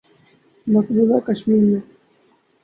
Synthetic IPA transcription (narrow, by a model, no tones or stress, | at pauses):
mɐkbuːlakəʃmiːɾmẽ